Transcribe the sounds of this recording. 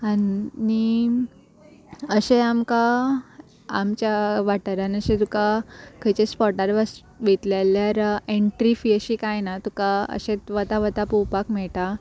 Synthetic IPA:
anni | əɕeamka | amt͡ɕjaʋaʈəɾanəɕẽt̪ukakʰəjt͡ɕespɔʈaɾʋəs | ʋet̪ljaljaɾeɳʈɾifiəɕikajnat̪ukaə̰ɕet̪ʋət̪aʋət̪apuwpakmɛɭʈa

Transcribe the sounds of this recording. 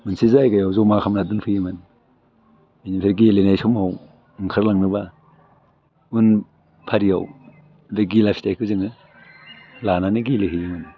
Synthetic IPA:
mɯnsizajɡajawzɔmakʰamnadunpʰɯjɯmɯn | ajnimpʰeɾɡilenajsɔmhaw | ŋkʰaɾlaŋnɯba | un | pʰaɾijaw | beɡilapʰi̥tajkʰɯziŋɯ | lananiɡilihɯjɯmɯn

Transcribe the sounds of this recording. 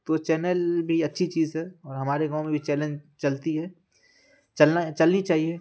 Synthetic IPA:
t̪ot͡ʃɛːnəlbʱiɐtːʃʰit͡ʃiːzɦɛɔːɾɦɐmaːɾeɡãːʊ̃mẽbʱit͡ʃɛːlẽnd͡ʒt͡ʃɐlt̪iɦɛ | t͡ʃɐlat͡ʃɐlnit͡ʃaːɦie

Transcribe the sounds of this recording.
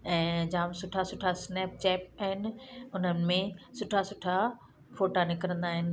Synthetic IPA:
ɛ̃ːd͡ʑãːmsʊʈʰasʊʈʰasnɛːp̚t͡ɕɛːp̚aɦɪnɪ̆ʊn̤ənɪ̆mẽsʊʈʰasʊʈʰa | foːʈanɪkɾə̃nd̪aːɦɪnɪ̆

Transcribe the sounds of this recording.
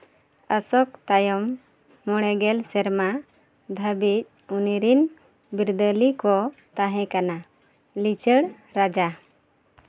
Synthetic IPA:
əsɔk̚t̪ajɔmː | ɔɽ̃ɛɡɛlsɛɾma | d̪ʱəbic̚ | uniɾin | biɾd̪əlikɔt̪ãɦɛ̃kana | lit͡ʃəɽ | ɾad͡ʒa

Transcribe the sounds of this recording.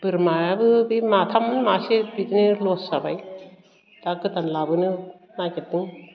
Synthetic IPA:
b̥ɯɾmaabɯbimat̪ʰamɯnmasebit̪inɯlosabaj | dakɯt̪anlabɯnɯ | naket̚ːɯŋ

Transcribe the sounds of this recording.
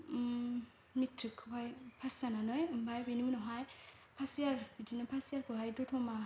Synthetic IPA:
mitʰːɯkʰbajpʰasananɔjmbajbinunɔɦɔj | pʰasijaɾbitinɔpʰasiaɾkɔɦajdɔtʰɔma

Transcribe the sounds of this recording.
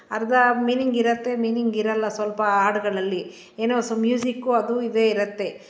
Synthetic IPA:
ɐɾɐd̪ɐmiːniŋɡiɾɐt̪ːe̞miːniŋɡiɾɐlːɐsʋɐlpɐaːʈɐɡɐɭɐlːi | eːnoːsomjuːsikːuɐd̪uid̪eːiɾɐt̪ːe̞

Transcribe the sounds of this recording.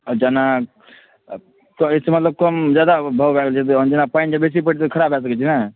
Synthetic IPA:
d͡ʒana | kɔesemət̪ləb̚kɔmd͡ʒad̪abʱəwbʱɛɡlt͡ʃʰit̪d͡ʒanapaind͡ʒebes̬ip̬əʈʰt̪kʰəɾabʱɛs̬əkɛt͡ʃʰina

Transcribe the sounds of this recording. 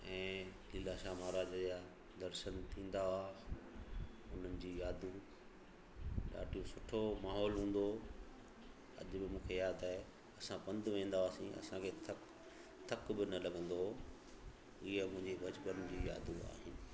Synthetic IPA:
ɛ̃ː | lɪːlaʃaːmaːɾaːd͡ʑaː | d̪ɐɾʃənt̪ʰĩːn̆d̪aaː | ʊn̤ənɪ̆d͡ʑiːjaːd̪ʱũ | ɗa̰ːʈijũsʊʈʰomaːɦɔːlɦũːn̆d̪o | ɐ̰ʄbɪmũːkʰejaːd̪aːɪ | ɐsãpɐ̃nd̪ʋẽːn̆d̪aaːsĩɐ̰sãkʰeːt̪ʰɐ | t̪ʰɐkbɪnɐlɐɡə̃nd̪o | ɪɦəmʊ̃ɦɪ̃ɲd͡ʑibɐt͡ɕpənd͡ʑiːja̰ːd̪ʱũa̰ːɦɪnɪ̆

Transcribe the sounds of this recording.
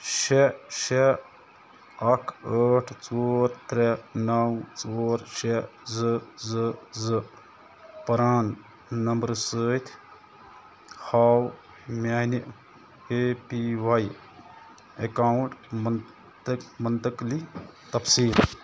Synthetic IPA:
ʃeʃe | ɐʈʰəːʈʰt͡soːɾt̪ɾenɐwt͡soːɾʃezɨzɨzɨ | pɐɾaːn | nɐmbəɾsəːt̪ʰ | haːw | mʲaːniʔ | epiwaj | ekaːwɳʈm | mɐnt̪əklit̪ɐpsiːl

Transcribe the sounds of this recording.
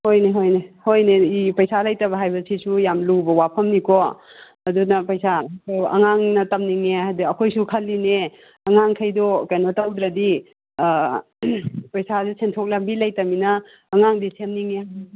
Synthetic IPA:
hojneɦojnehojneipɐjsalɐjtɐbɐɦajbɐsisujamlubɐwapʰɐmnikɔ | ɐdunɐpɐjsaɐ̰ŋaŋnɐtɐmniŋeɦadiɐkʰojsukʰɐlːine | ɐŋaŋkʰɐjdɔkajnɐtɐwd̪ɾɐdi | pɐjsadisʰentʰok̚lak̚bilɐjtɐminɐː | ŋaŋdisʰemniŋea

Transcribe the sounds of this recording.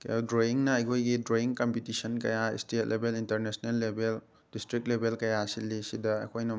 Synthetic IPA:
kdɾoiŋnɐːjkʰojɡidɾoiŋkɐmpitisɐnkɐ̰jaḭstet̚lʔebelintɐɾnesnelːebʱel | d̥istɾik̚t̚lebʱelkɐjasilːisidɐɐ̰kʰojnɐ

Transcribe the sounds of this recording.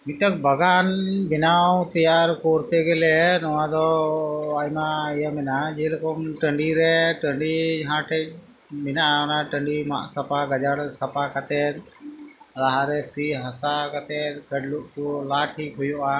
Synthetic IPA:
miʈək̚bəɡanbɛnawt̪ijaɾkɔɾt̪ɛɡɛlɛnɔwãd̪ɔ | ajmaijamɛnad͡ʒɛləkɔmʈəɳɖiɾɛʈəɳɖid͡ʒɦãʈʰɛc̚ | mɛnaɔnaʈəɳɖima̰ʔsɐpaɡəd͡ʒəɽsɐpakət̪ɛɾ | ɾaɦaɾɛsiɦəsakat̪ɛɾɡəɖluk̚t͡ʃulaːʈʰiʔɦʊjuʔa

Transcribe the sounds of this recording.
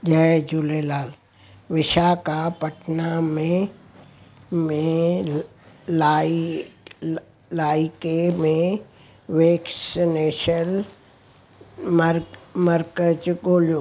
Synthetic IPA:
d͡ʒəd͡ʒulelaːl | ʋɪʃakapɐʈʰnamẽ | mẽ | la | laːɪkemẽ | ʋeːksneːʃəl | mɾməɾkət͡ʃɡoːljoː

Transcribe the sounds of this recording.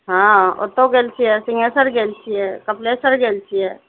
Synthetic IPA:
ɦão̰t̪ːoɡelt͡ʃʰiɛsɪŋesəɾɡeːlt͡ʃʰiɛkəpleːsəɾɡelt͡ʃʰiɛː

